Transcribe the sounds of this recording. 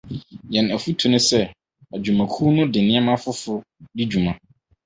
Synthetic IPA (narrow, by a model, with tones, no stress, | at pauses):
jɛ̃˨næ˨fu˦tʰu˨nʊ̃˦sɛ˦ | æ˨d͡ʑu˨mã˨kʰu˦nʊ̃˦dɪ˨nɪ̃˦ɛ˦mã˦fʊ˦fʊ˦di˦d͡ʑu˨mã˨